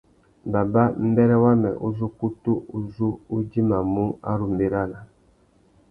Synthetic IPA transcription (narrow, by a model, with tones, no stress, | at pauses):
ba˨ba˦m̩˦bɛ˦ɾɛ˦wa˦mɛ̰˨ʔu˦zu˦ku˦tu˦u˨zu˦u˦di˦ma˨mu˦a̰˦ɾu˨m˨be˦ɾa˦la˨